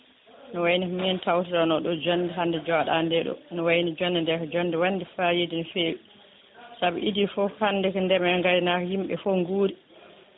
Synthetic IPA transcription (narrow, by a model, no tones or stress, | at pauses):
nɔwajnikɔmintawtadɔnɔɗɔd͡ʒɔndɛɦandɛd͡ʒɔɗandɛɗɔ̰nɔwajnid͡ʒɔndɛndɛkɔd͡ʒɔnːdɛwanːdifajedinifeːwi | sabḭʔidifɔhanːdɛkɔndɛmɛŋɡaɾinakhimɓɛ̰fɔŋɡuːɾi